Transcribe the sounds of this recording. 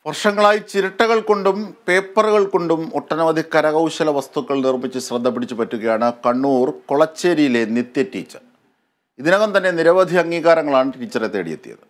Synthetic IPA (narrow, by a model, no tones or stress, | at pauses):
ʋɐrʂɐŋːɐɭaːjit͡ɕiɾiʈːɐɣɐɭko̞ɳɖumpe̞ːpːɐrɣɐɭko̞ɳɖumoʈːɐnɐʋɐd̪ʱikːɐɾɐɣɐwɕɐlɐʋɐst̪ukːɐɭnirmit͡ɕːɨɕrɐd̪ʱːɐp̬ːiɽit͡ɕːupɐtːuɣɐjaːɳɨkɐɳːuːrkoɭɐt͡ɕːeɾijile̞nit̪jɐtːḭːt͡ɕːɐr | iðinoɣɐnt̪ɐnːeniɾɐʋɐd̪ʱiɐŋːiːɣaːɾɐŋːɐɭaːɳɨʈiːt͡ɕːɐret̪ːeːɽḭjḛt̪ːijɐ̰ðɨ